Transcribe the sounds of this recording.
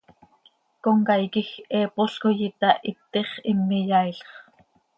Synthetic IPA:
koŋkajkixɛːpoɬkojɪt̪ɑʔit̪ːeχɪmːɪjɑjɬχ

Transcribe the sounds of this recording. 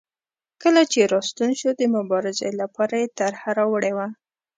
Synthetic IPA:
kəlat͡ʃeɾɑst̪unʃod̪əmʊbɑɾɪzelapɑɾajet̪aɾhaɾawəɽewa

